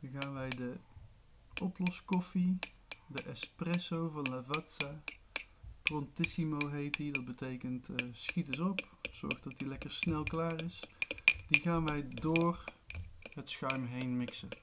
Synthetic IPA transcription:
χaːnʋɛjdə | ʔɔplɔskɔfi | dəʔɛsprɛsowvɑnlavatsa | prɔntɪsimowɦejtidɑt̚bətejkəntsχitɪsɔpz̥ɔ̰ɹχdɑtilɛkəɹsnɛlˠklaːrɪsdiχaːnʋɛjdoːr | ɦətsχœɥmɦejnmɪksən

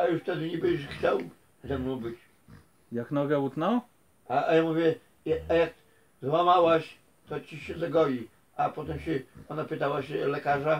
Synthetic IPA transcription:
ajuʂft̪ɛd̪ɘɲɛbɛɕxt͡ɕaw | zɛmnɔ̃w̃bɘt͡ɕ | jaknɔɡaut̪nɔw | aajamuvʲjɛ | ajak | zwamawaɕ | t̪ɔt͡ɕiɕɛzaɡɔlʲi | apɔt̪ɛmɕɛɔnapɘt̪awaɕɛlɛkaʐa

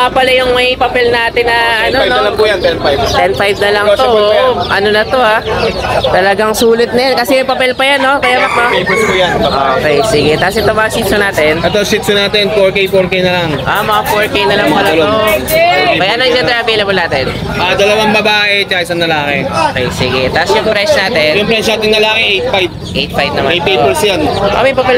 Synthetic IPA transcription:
mapɐlɐjʊŋmɐjpɐpɛlnaːt̪ɪnːɐʔɐnonɐlɐŋpujɐnt̪ɛnfajbt̪ɛnfajbnɐlɐŋt̪o̞ʔɐno̞nɐt̪o̞a | t̪ɐlɐɡaŋsuːlɪt̪̚nɐjankɐsɛmɐjpɐpɛlpɐjanːo̞kɐjamɐk̚majpɛpuːjanɐʔokɛjsɪɡɛt̪aːosɛt̪omɐŋasit̪sonaːt̪ɛnʔɛt̪osit̪sonaːt̪ɛnfoɹkejfoɹkejnɐlɐŋʔamɐŋafoɹkejnɐlɐŋpoɐlɐlo | kɐjanɐŋd͡ʒɐɛnɾɐvejlɐblnaːt̪ɛn | ʔad̪ɐlɐwanbɐbaːʔɛt͡ʃaʔɪsɐnːɐlaːkɛʔoːkɛjsɪɡɛt̪asjʊŋpɾɛʃnaːt̪ɛnjʊŋpɾɛt͡ʃnaːt̪ɪnnɐlaːkɛʔejt̪̚fajb̚ | ʔejt̪̚fajb̚nɐmaejpejpɛɹsjanʔo̰mɐjpɐpɛl

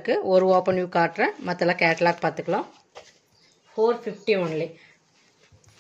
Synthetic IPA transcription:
kːɯɔɾɯoːpɐnjuːkaːʈɾɛ̃mɐt̪ːɐlãːkɛːʈlaːkpaːɾt̪ɯkːɐɭãː | foːɾfɪfʈiʋɔnli

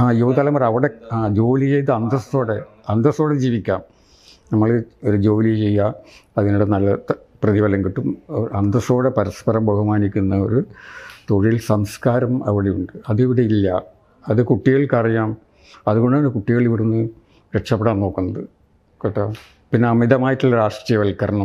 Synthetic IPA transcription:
aːjuːt̪aːlɐmɐrɐʋiɽeaːd͡ʑo̞ːlit͡ɕe̞jt̪ːɨɐnd̪ɐsoːɽe | ɐnd̪ɐsoːɽed͡ʑiːʋikʲːaːm | nɐmːɐɭo̞ɾud͡ʑo̞ːlit͡ɕe̞jːaɐðinuɽenɐlːɐ | prɐðiʋɐlɐŋkiʈːumɐnd̪ɐso̞ːɽe̞pɐɾɐspɐɾɐmbɐhumaːnikʲːunːɐo̰ɾut̪o̞ɻilsɐmskaːɾɐmɐ̰ʋiɽejuɳɖɨɐðiʋiɽeilːɐ | ɐðɨkuʈːiɣɐɭkɐrijaːm | ɐðuɣo̞ɳɖɨaːɳɨkuʈːiɣɐɭiʋiɽunːɨ | ɾekʂɐpːeɽaːnno̞ːkːunːɐðɨ | kɐʈːa | pinːeɐmiðɐmaːjiʈːuɭːɐɾaːʂʈrijɐʋɐlkɐɾɐɳu

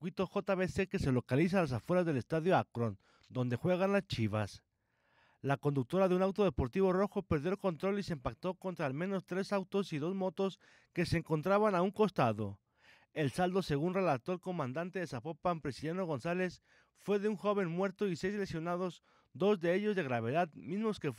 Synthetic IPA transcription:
kwit̪o̞xo̞t̪aβese̞ke̞se̞lo̞kalis̬alas̬afwe̞ɾazðe̞le̞st̪aðjo̞akɾo̞n | d̪o̞nd̪e̞xwe̞ɣanlast͡ʃiβas | lako̞nd̪uk̚t̪o̞ɾaðe̞unawt̪o̞ðe̞po̞ɾt̪iβo̞ro̞xo̞pe̞ɾðjolko̞nt̪ɾo̞liseːmpak̚t̪o̞ko̞nt̪ɾaːlmẽ̞no̞st̪ɾe̞sawt̪o̞siðo̞zmo̞t̪o̞s | ke̞se̞ːŋko̞nt̪ɾaβanauŋko̞st̪aðo̞ | e̞lsald̪o̞se̞ɣunre̞lat̪oelko̞mãnd̪ant̪e̞ðe̞sapo̞pampɾesiljanoɣ̞o̞nsale̞s | fwe̞ðe̞uŋxo̞β̞e̞nmwe̞ɾt̪o̞ise̞jslesjo̞naðo̞z | d̪o̞zðe̞eʝo̞zðe̞ɣɾaβe̞ðaðmizmo̞ske

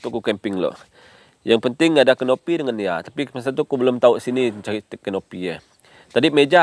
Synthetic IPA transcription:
t̪ukukɛmpɪŋlo̰ | jaŋpənt̪ɪŋadakənopidəŋanijat̪apimas̬ant̪̬ukubəlʊmt̪auʔsinit͡ʃait̪əkənopijə | t̪adimed͡ʒa

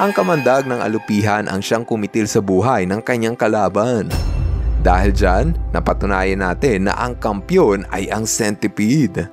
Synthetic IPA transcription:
ʔɐŋkɐmɐnd̪aɡ̚nɐŋʔɐ̰lʊpiːɦɐnʔɐ̰ŋʃaŋkʊmɪt̪ɪlsɐbuːɦɐjnɐŋkɐɲːaŋkɐlaːband̪aːhɪld͡ʒanːɐ̰pɐt̪ʊnaːjɐnaːt̪ɪnːɐ̰ʔɐŋkɐmpjonɐ̰jʔɐŋsɛnt̪ɪpid̪

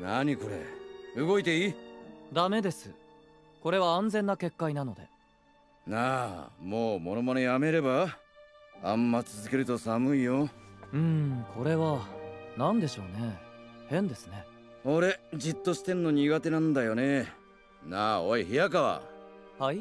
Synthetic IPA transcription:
naɲ̟iko̞ɾḛɯɡo̞it̪e̞id̪ame̞d̪e̞sɨ | ko̞ɾe̞βãːnd͡zẽ̞nːake̞kːainano̞d̪e̞̰ | namoːmo̞no̞monojame̞ɾe̞ba | amːat͡sɨzɨke̞ɾɯ̟t̪o̞samɯ̟ijoɯ̟̃kʰo̞ɾe̞βanãnd̪e̞ɕo̞̰ːne̞hẽ̞nd̪e̞sɨne̞ | o̞ɾe̞d͡ʑit̪ːo̞ɕi̥t̪e̞nːo̞ɲ̟iɡat̪e̞nãnd̪ajo̞ne | naːoiçijakaβa̰hai

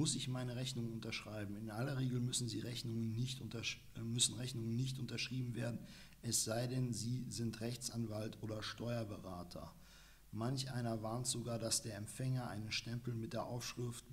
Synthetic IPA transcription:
ʊsɪçmaɪnəʁɛçnʊŋənʊntɐʃʁ̥aɪbm̩ɪnʔalɐʁ̞eːɡl̩mʏsn̩ziːʁɛçnʊŋənːɪçtʊɐ | mʏsn̩ʁɛçnʊŋənːɪçtʔʊntɐʃʁ̥iːbm̩veːɐdn̩ | ʔɛsz̥aɪdɛnziːzɪntʁɛçt͡sʔanvaltʔoːɾɐʃtʰɔʏɐbəʁaːtʰɐ̰ | mançʔa̰ɪnɐvaɐntz̥oɡaːɐdasd̥eːɐɛmfɛŋɐʔa̰ɪnənʃtɛmpl̩mɪt̚d̥eːɐʔaʊfʃʁ̥ɪft

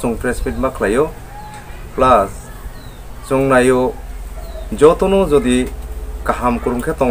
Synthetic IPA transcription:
suŋpɾesmit̚makʰlajɔ | plas | suŋnajɔ | d͡ʒɔt̪ɔnɔzɔd̪ikaɦamkuɾuŋkʰet̪ɔ

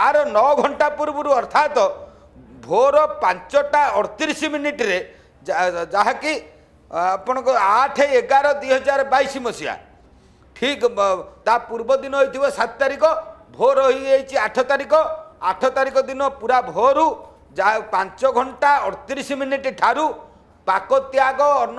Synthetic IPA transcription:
aɾɔnɔɡʱɔɳʈapuɾbɔɾuɔɾt̪ʰat̪ɔ | bʱoɾɔpant͡ʃɔʈaɔɽɔt̪iɾisiminiʈiɾe | d͡ʒaɦaki | apɔɽ̃ɔkɔaʈʰeeɡaɾɔd̪wijɦɔd͡ʒaɾɔbajsimɔsia̰ | ʈʰikt̪apuɾbɔd̪inɔɦojt̪ʰibɔsat̪t̪aɾikɔbʱoɾɔɦiejt͡ʃʰiaʈʰɔt̪aɾikɔaʈʰɔt̪aɾikɔd̪inɔpuɾabʱoɾu | d͡ʒapant͡ʃɔɡʱɔɳʈaɔɽɔt̪iɾisiminiʈiʈʰaɾu | pakɔt̪jaɡɔːɾn

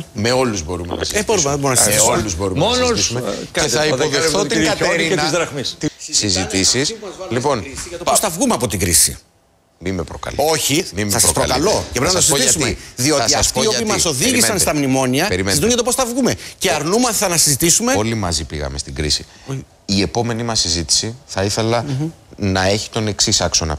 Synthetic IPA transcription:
me̞o̞luzbo̞ɾumḛnɐ̰seboɾumeðebo̞ɾunɐszzsoluzbo̞ɾumnmonoimeeɐiðpovefθot̪ɐteɾnizðɾɐɣmist̪isizit̪isislipo̞nɐt̪oposθɐvɣumeɐpo̞t̪iɡɾisḭ | mimepɾo̰kɐ̰lo̞çimimsɐsɐspɾokɐlo̞cepɾenɐɐsizt̪iɐsumeðio̞t̪iɐsftoiopiːmɐso̞ðiʝimsɐnst̪ɐmnimo̞niɐeɾimezit̪unʝɐt̪o̞posθɐvɣume̞ceɐɾnumɐθɐnɐsizit̪isume̞olimɐzipiɣɐ̰me̞st̪iɡɾḭsi | o | ie̞po̞me̞nimɐsːizit̪i̥siθɐiθe̞lɐ | nɐe̞çi̥t̪o̞ne̞ksisɐkso̞nɐ̰

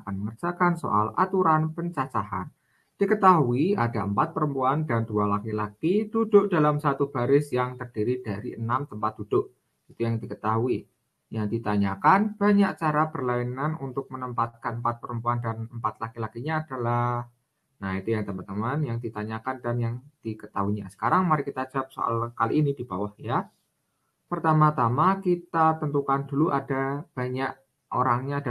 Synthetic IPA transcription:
akanməŋərd͡ʒakanso̰ʔala̰t̪uɾanpəɲt͡ʃat͡ʃaha̰n | d̥ikət̪aɦuia̰daəmpat̪̚pəɾəmpuandandualakilakid̥udʊʔd̥alamsat̪ub̥aɾɪsjaŋt̪ərd̥iɾid̥aɾḭənamt̪əmpat̪̚d̥ud̥ʊʔ | it̪ujaŋdikət̪aɦui | jaŋdit̪aɲakanb̥aɲak̚t͡ʃaɾabərlainanunt̪ʊk̚mənəmpat̪̚kanəmpat̪̚pəɾəmpuandanəmpat̪̚lakilakiɲaːd̥alah | nahit̪ujaŋt̪əmat̪əmanjaŋdit̪aɲakandanjaŋd̥ikət̪aɦuiɲasə̥kaɾaŋmaɾikit̪ad͡ʒap̚so̰ʔa̰lkaliːnidib̥awahja | pərt̪amat̪amakit̪at̪ənt̪ukand̥uluʔadab̥aɲaʔ | ʔo̰ɾaŋɲada

